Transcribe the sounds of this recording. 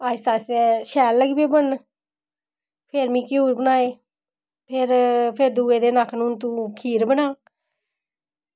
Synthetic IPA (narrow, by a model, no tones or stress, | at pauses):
aːst̪aːseːʃɛːlːəɡbeːbən | pʰeɾmĩːkɪoːɾbənaːeː | pʰɪɾpʰɪɾd̪uːeːd̪eːnakʰnũːnt̪ũːkʰiːɾbənaː